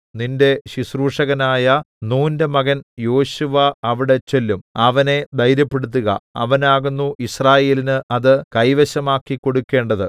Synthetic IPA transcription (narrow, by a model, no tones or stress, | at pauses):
ninde̞ɕisruːʂɐɣɐnaːjɐ | nuːnde̞mɐɣɐnjo̞ːɕuʋɐːʋiɽe̞t͡ɕe̞lːumɐʋɐne̞d̪ɐjɾjɐpːe̞ɽut̪̬ːuɣɐ̰ɐ̰ʋɐnaːɣunːuʔisraːje̞ːlinɨʔɐðɨkɐjʋɐɕɐmaːkːikːo̞ɽukːe̞ːɳɖɐðɨ